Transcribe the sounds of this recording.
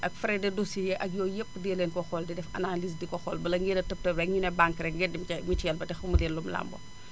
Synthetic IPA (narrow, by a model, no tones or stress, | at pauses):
ʔɐkfɾɛdɛdosijɛʔɐk̚jɔːjepːdɛleːnkɔxɔldidɛfɐ̰nalisdikɔxɔːlbɐlɐŋɡidɐtəp̚tɐbɛŋinɛbaŋkɾɛŋɡɛdimkɛmitjɛlbɐtɛxumulenlumla̰mbɔ̰